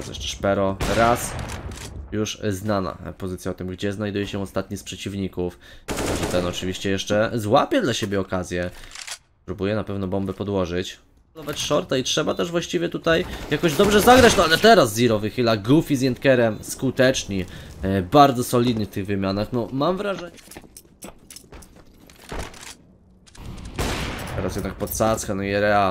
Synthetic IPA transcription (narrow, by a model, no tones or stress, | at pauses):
zɾɛ̰ʂt͡ʂɛ̥ʂpɛɾɔɾas | juʂznana̰pɔzɘt̪sjaɔt̪ɘmɡd͡ʑɛznajd̪ujɛɕɛɔst̪at̪ɲispʂɛt͡ɕivɲikuf | ɔʐɛt̪ɛnɔt͡ʂɘvʲiɕt͡ɕɛjɛʂt͡ʂɛzwapʲjɛd̪laɕebʲjɛɔkazʲjɛspɾubujɛnapɛvnɔbɔmbɛpɔd̪wɔʐɘt͡ɕ̪ | ɔvat͡ɕʂɔɾt̪aitʂɛbat̪ɛʐvwaɕt͡ɕivʲjɛt̪ut̪ajjakɔʑd̪ɔbʐɛzaɡɾat͡ɕnɔalɛt̪ɛɾazːiɾɔvɘxɘlaɡufʲizjɛnt̪̚kɛɾɛmskut̪ɛt͡ʂɲibaɾd̪zɔsɔlʲid̪ɲift̪ɘɣvɘmʲjanaxnɔmamvɾaʐɛɲ | t̪ɛɾasjɛd̪nak̚pɔt̪sat̪skanɔjɛɾɛa